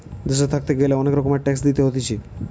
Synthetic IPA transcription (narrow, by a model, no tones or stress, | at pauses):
d̪eʃ̬et̪ʰak̚t̪eɡeleɔnekɾɔkomeʈɛksd̪it̪eɦot̪it͡ɕʰi